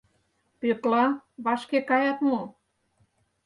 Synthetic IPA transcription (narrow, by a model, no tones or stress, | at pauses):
pet̪lɑβɑʃkekɑjɑt̪mo